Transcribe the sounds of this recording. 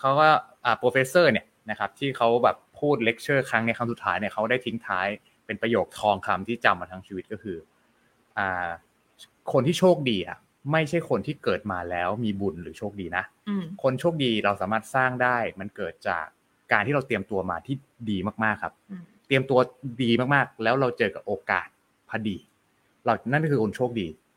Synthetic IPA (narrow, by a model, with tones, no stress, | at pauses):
kʰa˦˥wkɔ˥˩ʔaː˨˩pɾoː˧feː˦˥sɤː˥˩ni˥˩ɐna˦˥kʰa˦˥p̚t̪ʰiː˥˩kʰa˦˥wbɛː˨˩pʰːuː˥˩t̪̚le˦˥k̚t͡ɕʰɤː˥˩kʰɾa˦˥ŋna˧jkʰa˧msu˨˩t̪ʰːaː˦˥jni˥ɐkʰa˦˥wdaː˥˩jt̪ʰi˦˥ŋt̪ʰaː˦˥j | pe˧npɾa˧joː˨˩k̚t̪ʰɔː˧ŋkʰa˧mt̪ʰiː˥˩t͡ɕa˧mːaː˧t̪ʰa˦˥ŋt͡ɕʰiː˧wi˦˥t̪̚kɔ˥˩kʰɯː˧ | ʔaː˨˩ | kʰo˧nt̪ʰiː˥˩oː˥˩k̚diː˧ʔa̰˨˩ | ma˥˩jt͡ɕʰa˥˩jkʰo˧nt̪ʰiː˥˩kɤː˨˩t̪̚maː˧lɛː˦˥wmiː˧bu˨˩nɾɯː˩˦t͡ɕʰoː˥˩k̚diː˧na˦˥ʔkʰo˧nt͡ɕʰo˥˩k̚diː˧ɾa˧wsaː˩˦maː˥˩t̪̚saː˥˩ŋdaː˥˩jma˧nkɤː˨˩t̪̚t͡ɕa̰ː˨˩kː | aː˧nt̪ʰiː˥˩ɾa˧wt̪i˧əmt̪u˧ɐmaː˧t̪ʰiː˥˩ | diː˧maː˥˩k̚maː˥˩kʰːa˦˥p̚t̪i˧əmt̪u˧ɐdiː˧maː˥˩k̚maː˥˩k̚lɛː˦˥wɾa˧wt͡ɕɤː˧ka˨˩p̚ʔoː˧ka̰ː˨˩t̪̚ | pʰa˧diː˧ | ɾa˧wna˥˩nkʰːkʰo˧nt͡ɕʰoː˥˩k̚diː˧